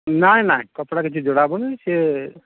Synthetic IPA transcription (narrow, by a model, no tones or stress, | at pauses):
najnajkɔpɽakit͡ʃʰid͡ʒoɽabɔnese